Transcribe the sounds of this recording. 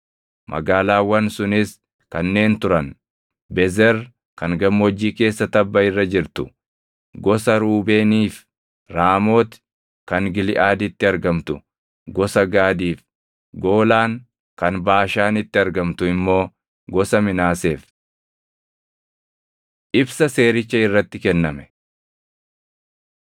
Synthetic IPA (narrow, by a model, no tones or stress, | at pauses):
mʔɐ̰ɡaːlaːwɐnsʊnɪs | kɐnːe̞ːnt̪ʊɾɐn | bɛzɛɾ | kɐŋɡɐmːwɔd͡ʒːiːke̞ːsːɐt̪ɐbːɐɪrːɐd͡ʒɪɾt̪ʊ̥ | ɡɔsɐɾuːbe̞ːniːf | ɾaːmo̞ːt̪ | kɐŋɡɪlɪʔaːd̪ɪt̪ːɪɐɾɡɐmt̪ʊ | ɡɔsɐɡaːd̪iːf | ɡo̞ːlaːŋ | kɐnbaːʃaːnɪt̪ːɪɐɾɡɐmt̪ʊɪmːo̞ː | ɡɔsɐmɪnaːse̞ːf | ʔɪbsɐse̞ːɾɪt͡ʃːɐɪrːɐt̪ːɪkɛnːɐmɛ̥